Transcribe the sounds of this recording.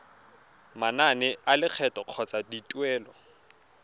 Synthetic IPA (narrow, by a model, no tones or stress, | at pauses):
mananɛʔalɪq͡χʰɛtʼɔq͡χʰɔt͡sʼaditʼwɛːlɔ